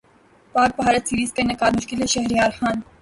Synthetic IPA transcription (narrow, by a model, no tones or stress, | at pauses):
pɑk̚pəɦɑɾɛt͡sʰiɾiskənəkɑɾmuʃkilɛʃɛɦɾiɑɾχɑn